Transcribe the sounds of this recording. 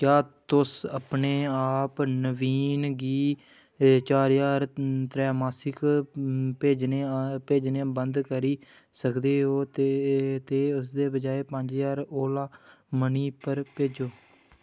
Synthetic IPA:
kjaːt̪ʊsapneːaːpnəʋiːnɡiː | t͡ʃaːɾjaːɾt̪ɾɛːmaːsɪk | peːd͡ʒneːpeːd͡ʒneːbənd̪kəɾiː | səkd̪eːɦoːt̪t̪eːʊs̬d̪eːbəd͡ʒaːeːpəɲd͡ʒjaːɾoːlaːməniːpəɾpeːd͡ʒoː

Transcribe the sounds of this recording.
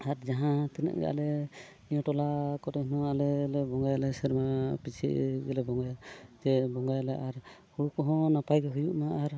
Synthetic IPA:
aɾd͡ʒaɦãt̪ɛnɛ̰ʔɡɛ̰ʔa̰lɛ | nijɔ̃tɔlakɔtɛhnɔalɛlɛbɔŋɡajalɛsɛɾmapit͡ʃʰḭɡɛlɛbɔŋɡajd͡ʒɛbɔŋɡajalaʔaɾhuɽukɔɦɔ̃napajɡɛɦujuʔmaːɾ

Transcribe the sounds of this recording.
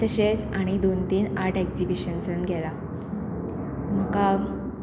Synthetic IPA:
t̪əɕesaɽ̃id̪ont̪iːnaɾʈekd͡zibiɕənsənɡʱɛla | m̤əka

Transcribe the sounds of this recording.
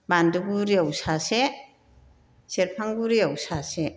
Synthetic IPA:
bandɯɡuɾiawsase | seɾpʰaŋɡuɾiawsase

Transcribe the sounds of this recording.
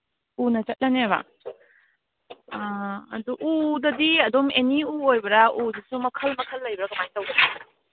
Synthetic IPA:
unɐt͡ʃɐt̚lɐneβɐ̰ | ɐ̰duʔudɐdiɐdomeniuojbɐɾɐʔuzisumɐkʰɐlmɐkʰɐlːɐjbɐɾɐɡɐmajtɐwɡ

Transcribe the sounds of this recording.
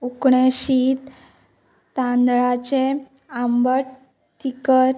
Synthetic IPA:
ukɳeɕit̪ː | ãnd̪ɭat͡ɕe | ambəɽ | ʈʰikəɾ

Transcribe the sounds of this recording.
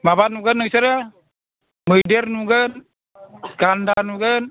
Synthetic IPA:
mapanuɡənːuisəɾa | mədərnuɡən | skandanuɡən

